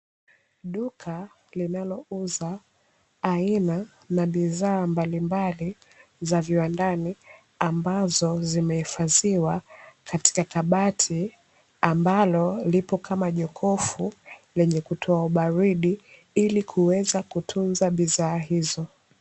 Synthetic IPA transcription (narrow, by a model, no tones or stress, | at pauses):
ɗukʰa | linalɔuzaː | ina | naɓizaːmbalimbali | zaviwandani | ambazɔzimɛhifaziwakati̥kakaɓatʰi | ambalɔlipɔkʰamaʄɔkʰɔfulɛɲɛkutʰɔauɓaɾiɗi | ilikʰuwɛzakutʰunzaɓizaːɦizɔ